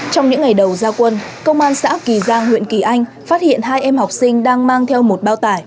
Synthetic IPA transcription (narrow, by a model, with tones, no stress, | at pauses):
t͡ɕɔ˧wŋ͡mɲɨ̰˧˥ŋːa˨˩jɗə˨˩wzaː˧kwə˧nkə˧wŋ͡mʔaː˧nsa̰ː˧˥ki˨˩zaː˧ŋhwḭ˧˨nki˧˩ʔa˧jŋ̟ | faː˦˥t̚hḭ˧˨ənɦaː˧jʔɛ˧mha˨˩wk͡p̚sï˧ŋ̟ɗaː˧ŋmaː˧ŋt̪ʰɛ˧wmo˨˩t̚ɓaː˧wt̪aː˧˩j